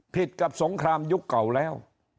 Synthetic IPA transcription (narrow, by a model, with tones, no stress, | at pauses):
pʰi˨˩t̪̚ka˨˩p̚so˩˦ŋkʰɾaː˧mju˦˥kːa˨˩wlɛː˦˥˩w